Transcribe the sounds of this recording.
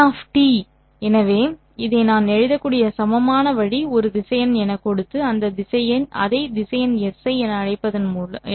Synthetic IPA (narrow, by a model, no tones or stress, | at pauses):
aːfʈi | ɛnɐʋeː | ɪðeːnaːnɛɻɪðɐkːuːɽɪjɐsɐmɐmaːnɐʋɐɻiɔɾɯd̪ɪsɐjɐnɛnɐkːɔɽɯt̪ːɯɐnd̪ɐd̪ɪsɐjɐnɐ̰ðɐɪd̪ɪsɐjɐnɛsɐɪɛnɐɐɻɐɪpːɐðɐnmuːɐ